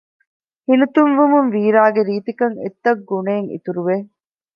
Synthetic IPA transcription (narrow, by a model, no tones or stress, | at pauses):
hinut̪unʋumunʋiːɾaːɡeɾiːt̪ikɐŋḛt̪ːɐk̚ɡuneːŋḭt̪uɾuʋe